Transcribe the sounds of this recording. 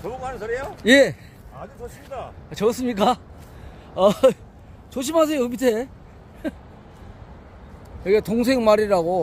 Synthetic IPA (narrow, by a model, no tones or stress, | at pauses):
ɾjoje̞ | iat͡ɕʌs͈ɯmɲik̬͈a | ʌ | t͡ɕoɕ̬ʰimɦas̬ʰe̞joɯmitʰe | jʌɡetoŋs̬ʰe̞ŋmaɾiɾaɡo